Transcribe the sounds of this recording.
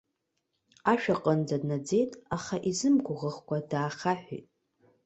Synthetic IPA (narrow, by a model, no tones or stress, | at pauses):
aʃᶣaqʼənd͡zadnad͡ze̞jtʼaχaʔizɨmɡʷʊʁəχkʷadaːχaħʷᶣḭtʼ